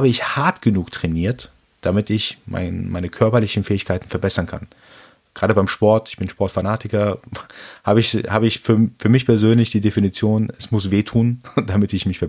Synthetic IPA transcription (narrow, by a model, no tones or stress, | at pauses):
haːbəɪçhaɐtɡ̥ənuːktʁ̥ɛniːɐt | d̥amɪtɪçma̰ɪnmaɪnəkʰœɐpɐlɪçn̩fɛːɪçkʰaɪtn̩fɛɐbɛsɐnkʰa̰n | ɡ̥ʁaːɾəbaɪmʃpɔɐtɪ̥çb̥ɪnʃpɔɐtfanaːtʰɪkɐ | haːbəɪçhaːbəɪçfyːɐfyːɐmɪçpʰɛɐzøːnlɪçd̥iːdefinit͡sjoːnɛsmʊsv̥eːtʰuːnd̥amɪtɪçmɪçfɛɐ